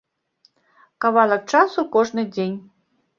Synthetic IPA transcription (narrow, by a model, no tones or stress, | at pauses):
kavalˠɐk̚t͡ʂasukɔʐnɨd͡zʲenʲ